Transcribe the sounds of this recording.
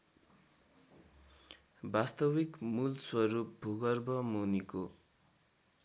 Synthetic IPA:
bast̪ʌwikmulswʌɾup̚bʱuɡʌrbʱʌmuniko

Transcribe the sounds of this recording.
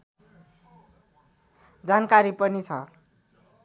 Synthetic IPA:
d͡zankaɾipʌnit͡sʰʌ

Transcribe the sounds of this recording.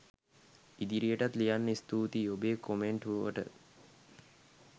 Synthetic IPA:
id̪iɾijəʈat̪lijanːəist̪uːt̪iobeːkomeɳʈuʋəʋə̰ʈə̰

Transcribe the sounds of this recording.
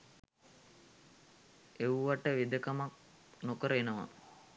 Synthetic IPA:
ewʋaʈəʋid̪əkamak̚ | nokəɾəenəʋa̰

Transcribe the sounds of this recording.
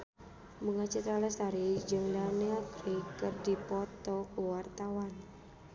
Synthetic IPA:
məŋat͡ʃət̪ɾaləsaɾid͡ʒəŋdaneakɾekərdipɔt̪ɔkuwart̪awan

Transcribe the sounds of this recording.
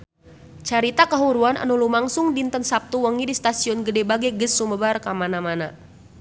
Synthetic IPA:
t͡ʃaɾit̪akaɦuɾuanʔa̰nulumaŋsʊŋdint̪ənsap̚t̪uwəŋidist̪asiɔnɡədɛbaɡɛɡəsːuməbarkamanamana

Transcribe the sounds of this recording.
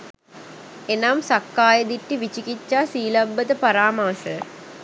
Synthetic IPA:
enamsakːaːjəd̪iʈːiʋit͡ʃikit͡ʃːaːsiːlɐbːət̪əpaɾaːmaːsə

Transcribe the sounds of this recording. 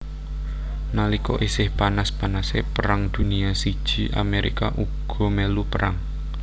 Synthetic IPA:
nalikɔʔisɪhpanaspanasepəɾaŋd̪̥ṳniasid̥ʒ̥i̤ʔa̰meɾʔḭka̰ʔuɡ̥ɔ̤mɛlupəɾaŋ

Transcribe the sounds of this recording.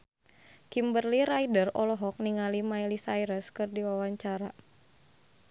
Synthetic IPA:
kimbərliɾajdərɔlɔɦɔk̚niŋalimajlisajɾəskɨrdiwawaɲt͡ʃaɾa

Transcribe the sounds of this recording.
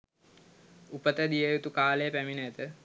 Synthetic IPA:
upət̪əd̪ijəjut̪ukaːlejəpæminət̪ə

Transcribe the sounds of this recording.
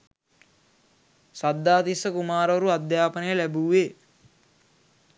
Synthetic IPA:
sad̪ːaːt̪isəkumaːɾəʋɐɾuad̪jaːpənəjəlæbuːʋe

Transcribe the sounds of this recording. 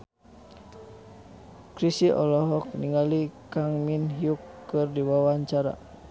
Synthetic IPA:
kɾisiʔɔ̰lɔɦɔk̚niŋalikaŋminɦiukːɨrdiwawaɲt͡ʃaɾa̰

